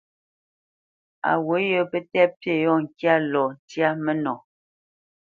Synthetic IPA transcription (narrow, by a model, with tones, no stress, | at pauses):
a̰˨wo˨˦jo˦pə˦tɛ˦pje˦˨jɔ˦˨ŋ̩˨kja˦lɔ˨n˨tja˦mə˦nɔ˨